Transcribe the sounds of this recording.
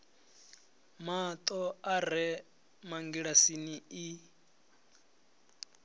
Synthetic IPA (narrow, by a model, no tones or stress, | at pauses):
mat̪ʼɔaɾɛ | maŋɡiɺasinii